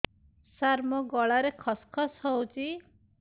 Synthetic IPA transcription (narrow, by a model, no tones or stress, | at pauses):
saɾmɔɡɔɭaɾekʰɔskʰɔsɦɔwt͡ʃʰi